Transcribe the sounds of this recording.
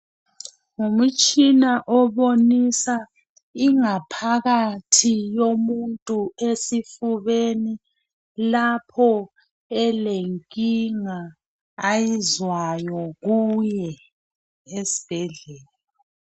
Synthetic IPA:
ŋum̩t͡ʃʼinaʔɔβonisa | iŋapʰaɣatʰijomuntʼuesifuβeni | lapʰɔ | ɛleŋkʼiŋaː | jizwajɔɣujɛ | esi̥b̥ʱɛɮɛːla

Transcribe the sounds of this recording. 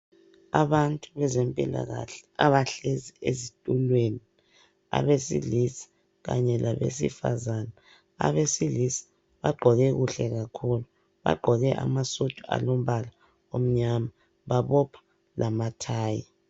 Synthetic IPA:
aβantʼuβɛzempʼila̰ɣa̰ɬɛ̥aβaɬeziezitʼulweni | a̰βesḭlisi̥ | ɣa̰ɲɛlaβḛs̬ḭfa̰zana | a̰βesilisi̥ | βaɡ͡ǃʱɔɣɛɣuɬɛɣakʰulu | βa̰ɡ͡ǃʱɔɣɛʔa̰masutʼua̰lom̩βala | om̩ɲama | βaβɔpʰḁ | lʔamatʰaːji

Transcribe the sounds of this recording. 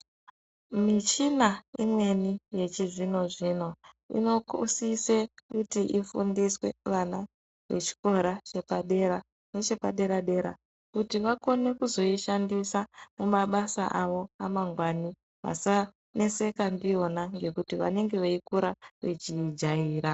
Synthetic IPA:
mit͡ʃinaimwe̞nije̞t͡ʃiʐino̞ʐino̞ | ḭno̞kusisekutiʔifṵndiswe̞̰ʋana | ʋe̞̰t͡ʃi̥ko̞ɾat͡ʃe̞paɗe̞ɾa | ne̞t͡ʃe̞paɗe̞ɾaɗe̞ɾa̰ | kutiʋako̞ne̞kuzo̞iʃandisamumaɓasaʔaʋo̞amaŋɡwani | ʋa̰sa | ne̞se̞kandio̞naŋɡe̞kutiʋa̰ne̞ŋɡe̞ʋeikuɾaʋet͡ʃid͡ʒaiːɾa

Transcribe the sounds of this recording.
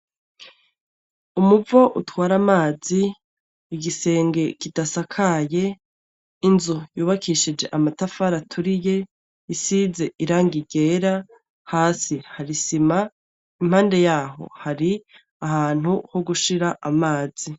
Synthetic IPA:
umuvo̞ʔutwaːɾamaːziː | ɡise̞ːŋɡe̞kidasakʰaje̞ | inzujuːβakʰiʃid͡ʒe̞ʔamatafaɾatʰuɾije̞ | isize̞ʔiɾaːŋɡiɡe̞ːɾa | haːsihaɾisima | im̥haːnde̞jaːɦo̞̰haɾi | ahaːn̥huho̞ɡuʃiɾaʔamaːz̥i

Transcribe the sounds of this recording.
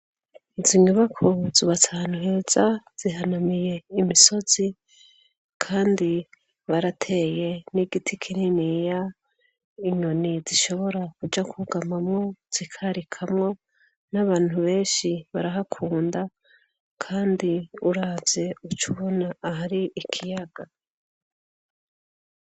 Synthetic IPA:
iziɲuβakʰoziβat͡sʰaːnuɦe̞ːz̥az̥iɦanamije̞imiso̞z̥i | kʰaːndi | βaɾatʰe̞je̞niɡitʰikʰininija | iɲo̞niziʃo̞βo̞ɾakud͡ʒakʰuɡamamŋo̞z̥ikʰaɾikʰamŋo̞ | naβaːn̥huβe̞ːnʃiβaɾaɦakʰuːnda | kʰaːndiuɾaːvje̞ut͡ʃuβonaːɦaɾiʔikʰijaɡ̥a

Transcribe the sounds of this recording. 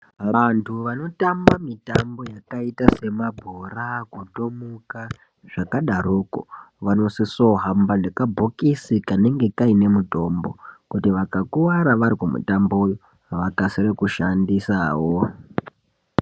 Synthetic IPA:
ʋantʰuʋano̞tambamitambo̞jakaitase̞mabʱurakuɗomuka | ʐ̥akaɗaɾuko̰ | ʋano̞siso̞ɦambaʐekabʱokisikane̞ŋɡe̞kaine̞muto̞mbokutiʋakakuwaɾaʋaɾiɡumṵtamboujo | aʋakasiɾekuʃandisaːwo

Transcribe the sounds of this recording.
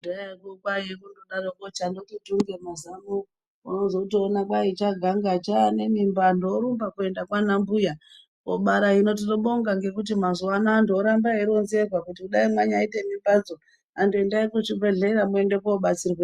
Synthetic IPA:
daekokwajekundoɗaɾokot͡ʃandotituŋɡemazamo | unozoutionakwait͡ʃaɡʱaŋɡat͡ʃane̞mimbandoɾumbakue̞ndakwanambuja | koɓaɾaino̞t̬iroɓo̞ŋɡaŋɡe̞kut̬imazuanaːndːɾambaiɾonzerwakutiuɗaimwaɲaitemimbad͡zo | andoendaikut͡ʃibʱeɮeɾamue̞nde̞koːɓat͡sirwe

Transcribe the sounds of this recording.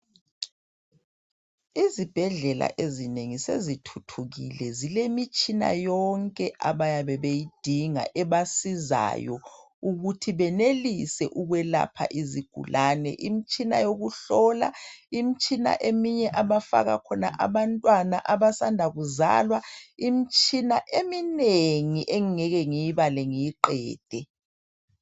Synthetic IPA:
izib̥ʱɛɮɛla̰ʔezineŋisḛzitʰutʰuɣḭlɛzilemit͡ʃʼina̰jɔŋkʼɛʔaβajaβɛβejid̥ʱiŋa̰ʔɛβasiza̰jɔ̰ | uɣutʰiβɛnelisɛʔuɣwɛla̰pʰa̰ʔiziɡ̥ʱṵlʔaːnɛ̰ʔimit͡ʃʼina̰joɣuɬɔːla̰imit͡ʃʼina̰ʔemiɲɛʔaβafa̰ɣa̰kʰɔna̰ʔaβantʼwanaʔaβasandʱaɣuza̰ːlwaimit͡ʃʼinaʔemineŋiʔeŋiŋɛɣɛŋijiβalɛŋijiǃɛːd̥ʱɛ

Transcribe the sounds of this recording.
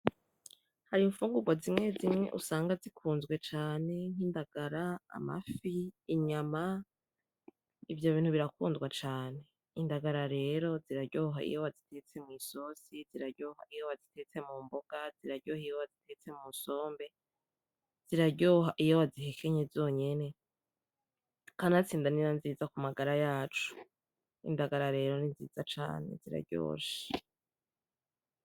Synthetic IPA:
haɾiɱfuːŋɡuɡwazimŋe̞zimŋe̞̰ʔṵsaːŋɡazikʰuːnzɡwe̞t͡ʃaːne̞ŋ̥hiːndaɡ̥aɾa̰ːma̰fiːɲama | ivjo̞βiːn̥huβiɾakuːnzɡwat͡ʃaːne̞ | indaɡaɾaɾe̞ːɾo̞ziɾaɾɟoːɦaḭjowazitʰe̞t͡se̞mŋiːso̞siziɾaɟohaijowazite̞t͡se̞muːmboɡ̥aziɾaɾɟoːhijowazitʰe̞t͡se̞muso̞ːmbe̞ | z̥iɾaɾɟoːɦaʔijowazihekʰeɲezo̞ːɲe̞ne̞ | kanat͡siːndaniɾanziːzakumaɡaɾajaːt͡ʃu̥ | ḭndaɡaɾaɾe̞ːɾo̞ninzḭːzat͡ʃa̰ːne̞̰ziɾa̰ɾɟo̰ːʃe̥

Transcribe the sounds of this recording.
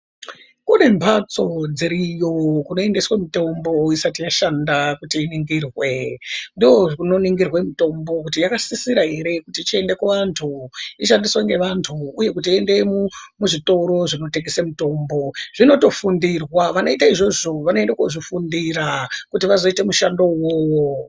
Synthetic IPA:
kune̞mpat͡so̞d͡ziɾijo̞kuno̞e̞ndeswemito̞mbo̞isatijaʃandakutiːniŋɡiːrwe̞ndijouno̞niŋɡirwe̞muto̞mbo̞kutijakasisiɾaɦe̞ɾe̞kutit͡ʃie̞nde̞kuʋantʰuiʃandiswaŋɡe̞ʋantʰuːje̞kut̬ie̞nde̞mumuʐito̞ɾo̞ʐino̞teɡisemuto̞ːmbo̞ʐ̥ino̞to̞fundirwaʋano̞itaiʐo̞ʐoʋano̞e̞ndakoʐifundiɾakutiʋazo̞ite̞muʃando̞woːwo

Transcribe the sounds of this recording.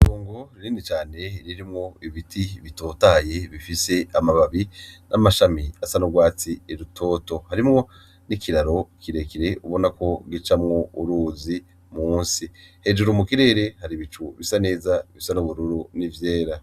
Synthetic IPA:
toːŋɡo̞ɾiɾiːnit͡ʃaːne̞ɾiɾimŋo̞iβitʰiβito̞ːtaje̞βifise̞amaβaβinʔamaʃamiasanoɡwaːt͡sieɾutʰo̞ːto̞haɾimŋo̞ | nikiɾaɾo̞kiɾe̞kiɾe̞uβo̞nako̞ɡit͡ʃamŋo̞uɾuːzi | muːnsihe̞ʒuɾumukiɾe̞ːɾe̞haɾiβit͡ʃuβisane̞ːzaβisanoβuɾuɾunivje̞ːɾa

